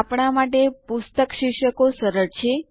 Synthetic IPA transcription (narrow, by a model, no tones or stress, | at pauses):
apɳ̃amaʈepust̪əkʃiʃəkosəɾəɾt͡ʃʰe